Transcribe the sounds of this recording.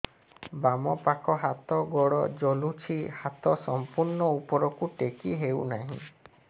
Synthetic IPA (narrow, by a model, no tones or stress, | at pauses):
bamɔpakɔɦat̪ɔɡɔɽɔ̰d͡ʒɔlut͡ʃʰihat̪ɔsɔmpuɾɳɔupɔɾɔkuʈekiɦewnaɦḭ̃